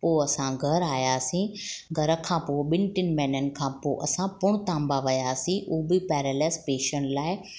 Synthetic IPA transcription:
poːɐsãɡʱɐɾaːjasĩːɡʱɐɾəkʰãːpoːɓɪnʈɪnmɛ̃ːnənɪ̆kʰãːpo̰ːʔɐsãpʊɽ̃t̪ãːmbaʋɐjaːsĩʔuːbɪpɛːɾɛːlɛːspeːʃəɳlaːɪ

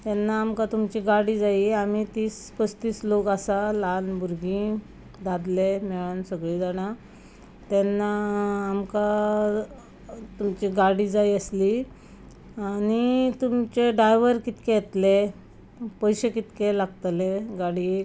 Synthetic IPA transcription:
t̪ɛnːaːmkat̪umt͡ɕiɡaɽiːd͡zaiamit̪iːspəst̪iːslokasalanbʱuɾɡĩ | d̪ad̪lemɛɭansəɡɭiːd͡zaɽ̃a | t̪ɛnːaːmka | t̪umt͡ɕiɡaɽiːd͡zajiəsli | añit̪umt͡ɕeɖajʋəɾkit̪keɛt̪le | pəjɕekit̪kelaɡt̪leɡaɽi

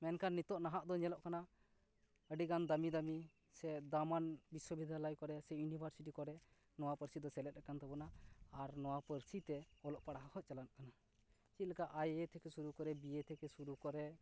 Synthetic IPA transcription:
mɛnkanːit̪ɔʔnaɦaʔd̪ɔɲɛlɔʔkana | əɖiɡand̪amid̪ami | sɛd̪amanbiswəbid̪ʱjalɔjkɔɾɛsɛjunibʱəɾsiʈikɔɾɛ | nɔwapəɾsid̪ɔsɛlɛt̪̚ɾɛkant̪ɔbɔnaːɾnɔwapəɾsit̪ɛɔlɔʔpaɽaɦahɔt̪̚t͡ʃalankana | t͡ʃit̪̚likaʔajet̪ʰɛkɛsuɾukɔɾɛbiet̪ʰɛkɛsuɾukɔɾɛ

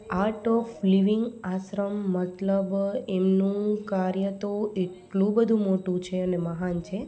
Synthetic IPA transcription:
aɾʈɔfliʋiŋɡaʃɾəmːət̪ləbemnũkaɾjət̪oeʈlũbəd̪ʱũmoʈũt͡ʃʰeəneməɦant͡ʃʰe

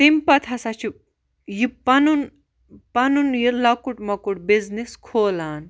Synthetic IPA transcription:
t̪imʲpɐt̪ʰɐsɐt͡ʃʰi | jipɐnun | pɐnunjilɐkuʈmɐkuʈbizniskʰoːlaːn

